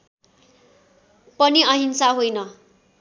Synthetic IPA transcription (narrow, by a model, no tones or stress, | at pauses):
pʌniʌɦinsaɦojnʌ